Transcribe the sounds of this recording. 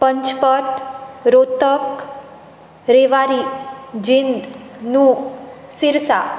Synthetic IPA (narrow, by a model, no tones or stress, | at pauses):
pəɲt͡ʃpəʈɾot̪ək | ɾeʋaɾid͡ʒind̪ | nũsiɾsa